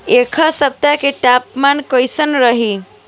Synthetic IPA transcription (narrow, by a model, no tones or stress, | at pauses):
ekʰasəp̚t̪akeʈapmankəjsənɾəɦi